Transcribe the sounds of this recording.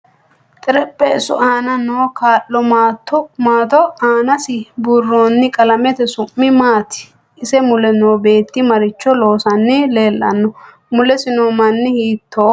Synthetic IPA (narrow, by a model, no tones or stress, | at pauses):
t̪ʼɪɾɛpʼːɛɪsʊ̰ʔaːnɐnoːkʰaːlːɔmat̪ːɔmaːt̪ɔaːnɐsɪbʊrːoːnːɪkʼɐlɐmɛt̪ɛsʊmːɪmaːt̪ɪ̥ | ʔɪsɛmʊlɛnoːbe̞ːt̪ːɪmɐɾɪt͡ʃːɔlo̞ːsɐnːɪle̞ːlːɐ̰nːɔ | mʊlɛsɪnomɐnːɪhiːt̪ʰːoː